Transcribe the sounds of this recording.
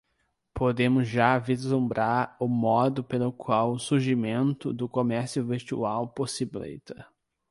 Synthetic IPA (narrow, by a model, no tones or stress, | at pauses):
pod̪ẽmʊzʒavizlũmbɾaɾʊmɔd̪ʊpelʊkʰwawʊsuɾʒimẽnt̪ʊd̪ʊkomɛɾsjʊvest͡ʃuawposiblḛjt̪ɐ